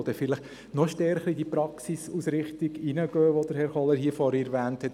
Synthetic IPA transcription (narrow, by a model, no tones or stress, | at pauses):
od̥̪ɛfɪləχ | nɔʃtɛɾχəɾid̥ipɾɑksisusɾɪχt̪iɡinəɡ̥øːʋod̥̪əɾhɛɾχɔlːəɦiəfɔɾiɾʋæːnthɛt